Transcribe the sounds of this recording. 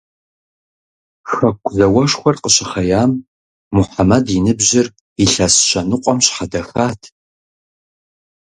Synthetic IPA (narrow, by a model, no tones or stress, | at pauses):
xɐkʷʰʼzɐwɐʃxʷɔrqəɕɪχɐjaːmː | ʊħamɐdinɨbʑɪr | iɬɐsɕɐnɨqʷʼɔmɕħadɐxaːtʰ